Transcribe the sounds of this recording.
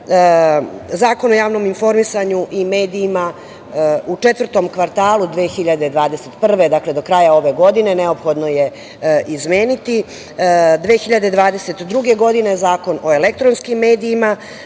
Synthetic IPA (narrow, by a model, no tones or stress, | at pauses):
zaːko̞no̞jaːʋno̞minfo̞ɾmisaɲuʔimeːd̪iːma | ut͡ʂet̪ʋər̩t̪o̞mkʋaɾt̪aːlˠud̪ʋeːxiʎad̪ed̪ʋaːd̪eset̪pr̩ʋe̞d̪akle̞d̪o̞kɾaːjao̞ʋe̞ɡo̞d̪ine̞neo̞pxo̞d̪no̞je̞ | ʔizmeːnit̪i | d̪ʋexiʎad̪ed̪ʋaːd̪ese̞t̪d̪ɾuɡe̞ɡo̞d̪inezaːko̞no̞elek̚t̪ɾonskimːeːd̪iːma